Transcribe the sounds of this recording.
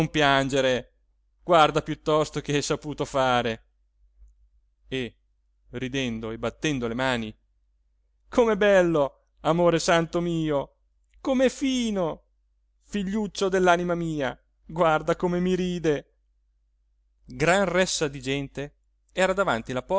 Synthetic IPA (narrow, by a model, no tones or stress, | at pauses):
mpjand͡ʒeɾe | ɡ̥ward̪apjut̪ːɔst̪okeɛjsapuːt̪ofaːɾe | e | rid̪ɛnd̪oebat̪ːɛnd̪olemaːni | kʰomebɛlːo | amoːɾesant̪omiːo | komefiːno | fiʎːut͡ʃːod̪elːanimamiːa | ɡward̪akomemiɾiːd̪e | ɡɾanrɛsːad̪id͡ʒɛnt̪e | ɛːɾad̪avant̪ilapɔ